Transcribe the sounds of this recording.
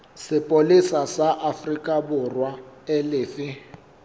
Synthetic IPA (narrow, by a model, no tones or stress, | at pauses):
sɪpʼolisasaʔafrikʼabʊrwaɪlɪːfɪ